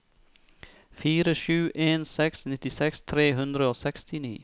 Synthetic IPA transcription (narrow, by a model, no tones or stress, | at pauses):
fiːɾəʃʉːʔeːnsɛksnɪt̪ɪsɛkst̪ʰɾeːɦʉnd̪ɾəoːsɛkst̪ɪnḭː